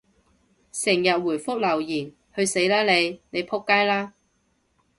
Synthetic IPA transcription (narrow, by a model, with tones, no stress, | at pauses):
sɪ˨˩ŋjɐ˨t̚wuː˨˩jfʊ˥k̚lɐ˨˩wjiː˨˩n | hɵ˧ɥse˨˥jlaː˥le˨˧jne˨˧jpʰʊ˥kːaː˥jlaː˥